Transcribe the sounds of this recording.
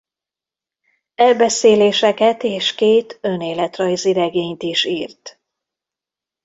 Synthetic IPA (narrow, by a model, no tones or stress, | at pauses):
ɛlbɛseːleːʃɛkɛt̪eːʃkeːt̪ø̞neːlɛt̪rɒjziɾɛɡeːɲt̪iʃiːrt̪